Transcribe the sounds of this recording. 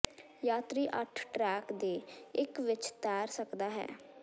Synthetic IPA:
jaːt̪ɾiːʔəʈʰʈɾɛːkd̪eːɪkʋɪt͡ʃt̪ɛːɾsəkd̪aːɦɛ̰ː

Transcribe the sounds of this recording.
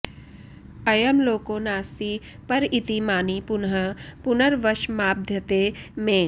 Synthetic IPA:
ɐjəmloːkõːnaːst̪i | pɐɾɪt̪imaːnipʊnɦəpʊnəɾʋɐʃmaːb̚d̪ʱjət̪emẽː

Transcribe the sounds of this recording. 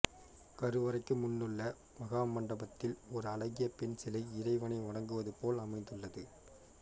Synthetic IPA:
kɐɾɯʋɐɾɐɪkːɯmʊnːɯɭːɐ | ʋɐɣaːmɐɳɖɐbɐt̪ːɪlɔɾɯɐlɐɣɪjɐpɛnsɛlɐɪɪɾɐɪʋɐnɐɪɔɽɐŋɡɯʋɐðɯpoːlɐmɐɪnd̪ɯɭːɐðɯ

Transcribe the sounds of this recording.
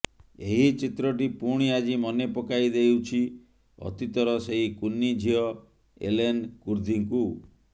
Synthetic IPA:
eɦit͡ʃit̪ɾɔʈ̬ipuɽ̃iad͡ʒimɔnepɔkaid̪ejwt͡ʃʰi | ɔ̰t̪it̪ɔɾɔseɦikunːid͡ʒʱiɔ | ḛlenkuɾd̪ʱiŋku

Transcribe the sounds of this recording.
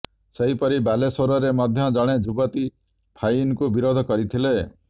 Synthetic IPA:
seɦipɔɾibalesoɾɔɾemɔd̪ʱjɔd͡ʒɔɽ̃ed͡ʒubɔt̪i | pʰajinkubiɾod̪ʱɔkɔɾit̪ʰile

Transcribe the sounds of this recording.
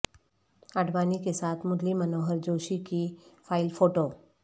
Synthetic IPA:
aɖʋaːnikesaːt̪ʰmʊd̪limənoːɦəɾd͡ʑoːʃikifaːilfoːʈo

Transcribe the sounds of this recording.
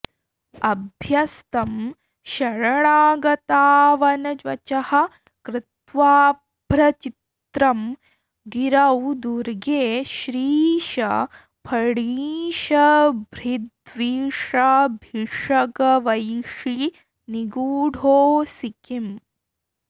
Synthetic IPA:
ɐbʱjɐst̪ɐm | ʃɐɾɐɳaːɡɐt̪aːʋɐnɐd͡ʒʋɐ̰t͡ʃɐhɐ̆ | kɾɪt̪ʋaː | b̥ʱɾɐt͡ʃit̪ɾɐm | ɡiɾɐwd̪uɾɡeːʃɾiːʃɐ̰ | pʰɐɽiʃɐbʱɾid̪ʋiʂɐbʱiʂɐɡɐʋɐjʂi | niɡuːɽʱoːsikim

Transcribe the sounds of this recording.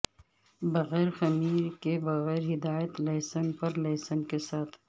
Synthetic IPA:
bɐɣɛːɾxɐmiːɾkebɐɣɛːɾɦɪd̪aːjət̪lɐːsənpɐɾlɐːsənkesaːt̪ʰ

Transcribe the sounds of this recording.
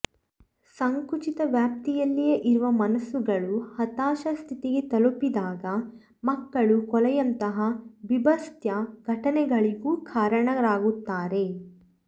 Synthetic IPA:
sɐŋkut͡ʃit̪ɐʋjaːp̚t̪ijɐlːijeʔiɾuʋɐmɐnɐsuɡɐɭuhɐt̪aːʃɐst̪ʰit̪iɡet̪ɐlupid̪aːɡɐ | mɐkːɐɭukɔlɛjɐnt̪ɐɦɐbibɐst̪ʰjɐɡ̥ʱɐʈɐnɛɡɐɭiɡuːkʰaːɾɐɳɐɾaːɡut̪ːaːɾe̞

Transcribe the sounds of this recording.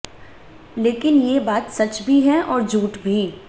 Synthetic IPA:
leːkɪnjebaːt̪sɐt͡ʃbʱiɦɛ̃ʔɔːɾd͡ʒʱuːʈbʱi

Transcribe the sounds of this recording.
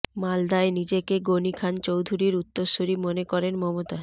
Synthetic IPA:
mald̪aenid͡ʑekeɡonikʰant͡ɕowd̪ʱuɾiɾut̪ːoɾʃoɾimonekɔɾenmɔmot̪a

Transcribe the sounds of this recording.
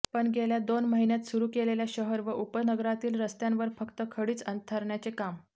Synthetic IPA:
pəɳɡeljad̪onməɦinjat̪suɾuːkeleljaɕəɦəɾʋəʔupənəɡɾat̪iːlɾəst̪jãnʋəɾfəkt̪əkʰəɽiːt͡sənt̪ʰəɾɳjat͡sekam

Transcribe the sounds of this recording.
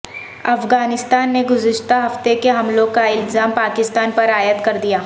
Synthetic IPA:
ɐfɡaːnɪst̪aːnːeɡʊzɪʃt̪aɦɐft̪ekeɦɐmlõkaɪlzaːmpaːkɪst̪aːnpɐɾaːjət̪kɐɾd̪ijaː

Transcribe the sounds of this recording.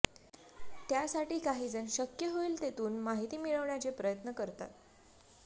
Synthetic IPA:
t̪jasaʈiːkaɦiːd͡zənɕəkjəɦoiːlt̪et̪uːnmaɦit̪iːmiɭəʋɳjat͡sepɾəjət̪nəkəɾt̪a̰t̪

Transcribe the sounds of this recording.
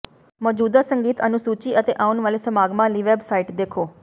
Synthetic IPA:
mɔːd͡ʒuːd̪aːsəŋɡiːt̪ə̰nũːsuːt͡ʃiːʔət̪eːʔaːʊnʋaːleːsəmaːɡmãːliːʋɛːbsaːiʈd̪eːkʰoː

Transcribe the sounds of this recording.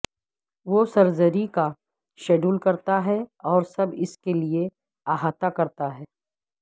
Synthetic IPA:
ʋosɐɾzəɾika | ʃɛːɖuːlkɐɾt̪aɦɛɔːɾsɐbɪskelie | aːɦaːt̪akɐɾt̪aɦɛː

